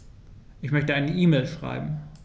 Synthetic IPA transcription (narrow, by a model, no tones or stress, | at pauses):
ʔɪçmœçtəʔaɪnəʔiːmeːlʃʁ̥a̰ɪbm̩